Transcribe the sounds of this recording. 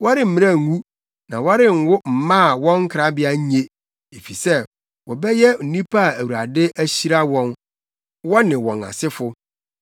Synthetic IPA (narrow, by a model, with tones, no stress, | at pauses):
wɔ˦ɾɪ˨m̩˨mɪ̃˦ã˦˨ŋũ˦ | nã˨wa˦ɾɪ˦ŋ̩˨wʊ˦m̩˨mã˦˨wɔ̃˦ŋ̩˦kʰɾa˦bɪ˦a˨˦ɲe˦ | e˨fi˨sɛ˦ | wɔ˨bɛ˦jɛ˦n̩˨nĩ˦pʰa˦˨æ˨wu˨ɾa˨dɪ˦ʔæ˦ɕi˦ɾa˦wɔ̃˦n | wɔ˦nɪ̃˨wɔ̰̃˨na̰˨sɪ˦fʊ˨